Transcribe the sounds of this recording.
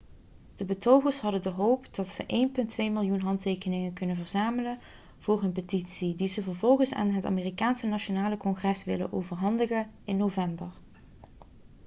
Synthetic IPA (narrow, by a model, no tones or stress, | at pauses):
d̥əbətowχəɹsɦɑdəndəɦowpdɑtsəʔejnpɵntʰʋejmɪlˠjunɦɑntejkənɪŋənkɵnənvəɹzaːmələn | v̥ʊːrɦɵnpətitsidizəvəɹvɔlˠχənsa̰ːnɦəta̰ːmeːrikaːnsənat͡ʃonaːləkɔŋχrɛsʋɪlə̰nʔo̰wvəɹɦɑndəχənɪnːowvɛmbəɹ